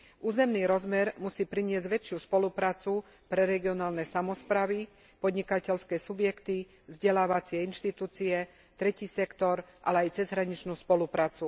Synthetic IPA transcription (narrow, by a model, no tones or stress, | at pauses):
ʔuːzɛmniːɾɔzmɛɾmusiːpɾiɲɪɛzɟʋɛt͡ʃɪuspɔlupɾaːt͡su | pɾɛɾɛɡiɔnaːlnɛsamɔspɾaːʋi | pɔd̪ɲikacɛlskɛːsubjɛkt̪i | vzɟɛlaːʋat͡sɪɛinʃt̪it̪uːt͡siɛ | t̪ɾɛciːsɛkt̪ɔɾʔa̰lɛajt͡sɛzɦɾaɲit͡ʃnuːspɔlupɾaːt͡su